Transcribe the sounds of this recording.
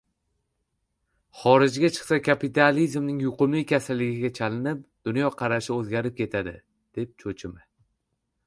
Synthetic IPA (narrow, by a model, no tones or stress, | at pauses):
χɒɾɪd͡ʒɡʲat͡ʃʰɨ̥χsakʲʰapit̪ʰalizmnɪŋjʊqʊmlɪjkʲasalːɪɡʲɪɡʲat͡ʃʰalɪnɪp̚d̪̥ʊnjɒqʰɑɾaʃɪɵzɡʲaɾɪp̚kʲʰe̞t̪ʰad̪ɪ | d̪̥e̞p̚t͡ʃʰɵt͡ʃʰɪmɪ